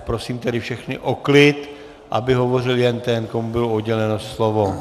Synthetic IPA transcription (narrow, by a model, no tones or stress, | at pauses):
pɾo̞siːmt̪ɛdɪfʃɛxnɪʔoklɪt̪ | ʔabɪɦo̞vo̞rɪljɛnt̪ɛnkomubɪloodɟɛlɛnoslovo